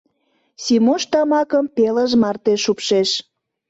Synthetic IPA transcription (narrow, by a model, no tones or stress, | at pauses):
simuʃt̪ɑmɑkəmpeləʒmɑrt̪eʃupʃeʃ